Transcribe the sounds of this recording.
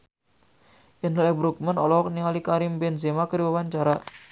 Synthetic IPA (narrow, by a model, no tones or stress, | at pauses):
ʔinlɛbɾuk̚mənɔlɔɔk̚niŋalikaɾimbɛnzemakəɾibawaɲt͡ʃaɾa